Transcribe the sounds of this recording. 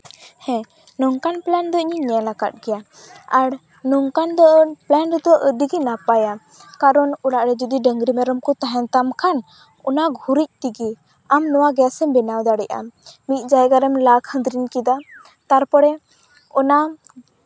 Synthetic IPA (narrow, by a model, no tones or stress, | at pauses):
hɛ̃ | nɔŋkanplɛnd̪ɔiɲiɲɛlaka̰t̪̚ˀɡɛja | aɽ | nɔŋkand̪ɔplɛnɾd̪ɔʔəd̪iɡinapaja | kaɾɔnɔɽaʔɾɛd͡ʒud̪iɖəŋɡɾimɛɾɔmkɔt̪aɦɛnt̪amkʰan | ɔnaɡʱuɾic̚ˀt̪iɡi | amnɔwaɡɛjasɛbɛnawd̪aɽɛʔa̰mit̪̚ˀd͡ʒajɡaɾɛmlakhə̃nd̪ɾinkid̪a | t̪aɾpɔɽɛ | ɔna